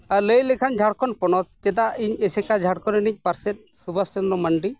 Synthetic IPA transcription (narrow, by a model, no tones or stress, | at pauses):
aləjlɛkʰand͡ʒʱaɽkʰɔnpɔnɔt̪̚t̪ɛd̪aiɲɛsɛkad͡ʒʱaɽkʰɔninic̚ˀpaɾsɛt̪̚subʱastɔnlɔməɳɖi